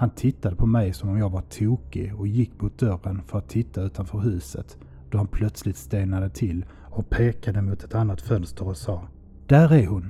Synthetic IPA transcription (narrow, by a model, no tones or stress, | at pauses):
hant̪ʰɪt̪ːad̪əpʰɔmɛjsɔmɔmjɑːɡvaʈʰuːkɪɔjɪkːmʊt̪̚d̪œrːənfœɾat̪ʰːɪt̪ːaʉ̟ːt̪anfœːɾɦʉ̟ːsə̰t̪ | d̪̥ɔhanpʰlœt̪slɪt̪st̪eːnad̪ət̪ʰɪl | ɔpʰeːkad̪əmʊt̪ɛt̪anːat̪fœnst̪əɾɔsɑː | d̪̥æɾæɾhʊn